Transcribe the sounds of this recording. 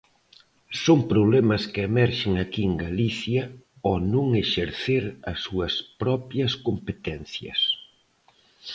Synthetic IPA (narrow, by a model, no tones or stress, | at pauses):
soŋpɾoβlɛmɐskɪemɛɾʃeŋakieŋɡaliθjɐ | ɔnõŋeʃeɾθeɾɐsːuɐspɾɔpjɐskompet̪ɛn̟θjɐ̰s